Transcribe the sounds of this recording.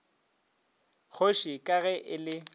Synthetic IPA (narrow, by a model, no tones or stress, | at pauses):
k͡xʰoʃikʼaɣɛʔɪlɪ